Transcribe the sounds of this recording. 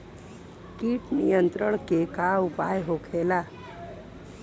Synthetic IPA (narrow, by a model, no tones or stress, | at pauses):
kiʈnḭjənt̪ɾəɽ̃kekaupajɦokʰela